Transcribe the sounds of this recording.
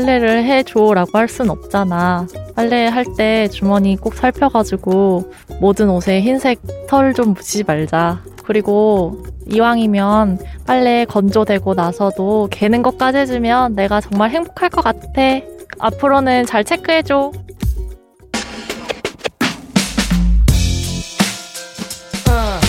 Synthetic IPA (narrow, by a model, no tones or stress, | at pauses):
ɭːeɾɯɭɦe̞t͡ɕoɾaɡoɦhaɭs͈unnʌp̚t͡ɕ͈anap͈aɭːeɦaɭt͈e̞t͡ɕumʌɲik͈ok̚sʰaɭpʰjʌɡad͡ʑiɡo | modɯnosʰe̞çinsʰe̞k̚tʰʌɾɯɭt͡ɕomːud͡ʑimaɭd͡ʑa | kɯɾiɡo | iwaŋimjʌnp͈aɭːekʌnd͡ʑodwe̞ɡonasʰʌdoke̞nɯnɡʌk͈ad͡ʑɦed͡ʑimjʌnːe̞ɡat͡ɕʌŋmaɭɦe̞ŋbokʰaɭk͈ʌk͈atʰe̞a̰pʰɯɾonɯnt͡ɕaɭt͡ɕʰe̞k͈ʰɯɦed͡ʑo